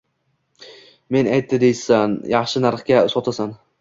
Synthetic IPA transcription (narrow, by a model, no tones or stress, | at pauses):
me̞najt̪ʰːɪd̪e̞jsanjɑχʃɪnaɾχkʲasɒt̪ʰasan